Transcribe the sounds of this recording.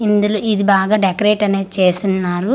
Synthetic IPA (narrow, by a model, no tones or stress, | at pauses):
ind̪uloːid̪ibaːɡaːɖekɐɾeːʈɐneːt͡ʃeːsunːaːɾu